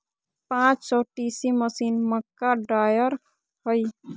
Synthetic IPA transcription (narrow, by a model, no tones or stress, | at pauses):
pãːt͡ʃsɔːʈiːsiməsiːnməkːaɖɾaːjəɾ | hoi